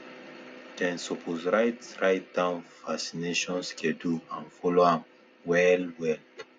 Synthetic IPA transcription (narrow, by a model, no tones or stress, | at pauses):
dɛ̃nsopʰozɹajtsɹajt̚dãnfasineʃɔ̃nskʰɛ̃duãnfɔloãm | wɛlwɛl